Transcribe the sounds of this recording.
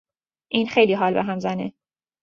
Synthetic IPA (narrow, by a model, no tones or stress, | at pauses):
ʔiːnxejliːɦɒːlbḛɦæmzæne